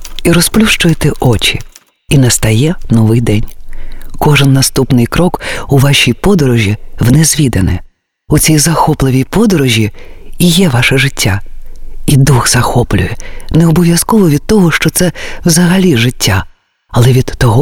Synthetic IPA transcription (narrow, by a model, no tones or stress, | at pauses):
iɾɔsplʲuʃt͡ʃʊjet̪ɛʔɔt͡ʃʲḭ | inɐst̪ɐjɛnɔʋɪjd̪ɛnʲkɔʒɨnːɐst̪upnɪjkɾɔkuʋɑʃʲijpɔd̪ɔɾɔʒʲiwnezʲʋʲid̪ɐnɛ̰ | ut͡sʲijzɐxɔplˠɪʋʲijpɔd̪ɔɾɔʒʲiijɛʋɑʃɛʐɪtʲːa | id̪uxz̥ɐxɔplʲʊjɛneɔbɔʋʲjɐskɔʋɔʋʲid̪̥̚t̪ɔɦɔʃt͡ʃɔt̪sɛwzɐɦɐlʲiʒɪtʲːa | ɐlˠɛʋʲid̪ɔɦɔ